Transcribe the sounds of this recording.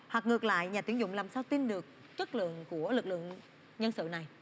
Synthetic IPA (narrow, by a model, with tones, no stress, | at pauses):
hwa˨˩k̚ŋɨ˨˩ək̚la̰ː˧˨jɲaː˨˩t̪i˨˦əŋzʊ̰˧˨ŋ͡mlaː˨˩msaː˧wt̪i˧nɗɨ˨˩ək̚ | t͡ɕə˦˥t̚lɨ̰˧˨əŋku˧˩əlɨ˨˩k̚lɨ̰˧˨əŋ | ɲə˧nsɨ̰˧˨na˨˩j